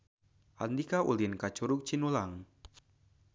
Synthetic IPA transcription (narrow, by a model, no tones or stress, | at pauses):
ʔand̪ikaṵlinkat͡ʃuɾʊk̚t͡ʃinulaŋ